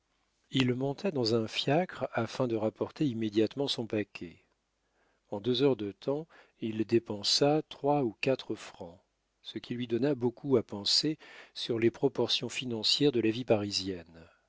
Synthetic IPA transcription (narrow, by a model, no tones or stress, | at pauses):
ilmɔ̃t̪ʰad̪ɑ̃zɛ̃fjakχafɛ̃d̪əʁapɔʁt̪eimːed̪jat̪mɑ̃sɔ̃pakʲʰɛ | ɑ̃d̪øzœʁd̪ət̪ʰɑ̃ | ild̪epɑ̃sat̪χwaukat̪χəfχɑ̃ | səkʲilɥid̪ɔnabokuapɑ̃sesyʁlepχɔpɔʁsjɔ̃finɑ̃sjɛʁd̪əlavipaʁizjɛn